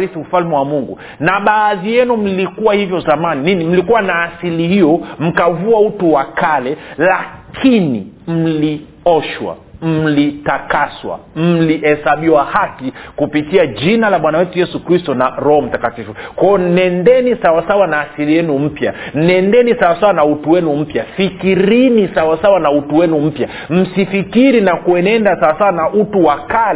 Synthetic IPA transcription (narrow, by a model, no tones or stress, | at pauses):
ɾisiufalmɛwamuŋɡṵ | naɓaːðijɛnum̩likuwahivjɔzamanininim̩likuwanaːsilihijɔm̩kavuautuwakalɛlakʰinim̩li | ɔʃwa̰ | m̩litakaswa̰m̩lihɛsaɓiwahakikupitiaʄinalaɓwanawɛtujɛsukɾistɔnaɾɔhɔm̩takatifukɔɔn̩ɛndɛnisawasawanaːsiɾijɛnum̩pjan̩ɛndɛnisawasawanautuwɛnum̩pjafikiɾinisawasawanautuwɛnum̩pja | m̩sifikiɾinakuɛnɛndasawasawanaʔutuwakal